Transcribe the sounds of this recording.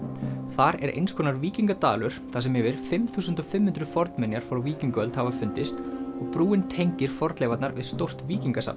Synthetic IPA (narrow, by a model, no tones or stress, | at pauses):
θaɾɛ̰ɾʔḛjnskʰɔnaɾviːciŋkat̪aːlʏɾ̥θasɛmɛvɪɾ̥fɪmθuːsʏnt̪ɔfɪmhʏnt̪ɾʏfɔɾt̪mɛnjaɾ̥fɔɾawviːciŋkœlt̪havafʏnt̪ɪst̪ɔɣpɾuːɪnt̪ʰejɲcɪɾ̥fɔɾt̪lɛːvat̪naɾvɪ̰ðst̪owr̥t̪viːciŋkasa̰pn